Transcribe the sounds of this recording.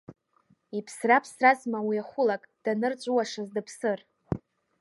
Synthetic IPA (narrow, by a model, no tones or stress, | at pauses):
ipʰsrapʰsrazmawiaχʷʊlakʼd̥anɨrt͡ʃʷʼuwaʂazdɨpʰsɨr